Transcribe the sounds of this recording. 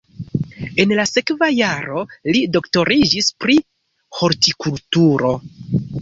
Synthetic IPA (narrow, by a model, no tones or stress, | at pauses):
e̞nlase̞kvajaɾo̞lido̞kto̞ɾid͡ʒispɾi | ho̞ɾtikultuɾo̞